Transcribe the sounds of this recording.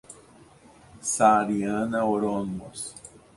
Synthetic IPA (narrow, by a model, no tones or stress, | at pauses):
saɾianaoɾonmos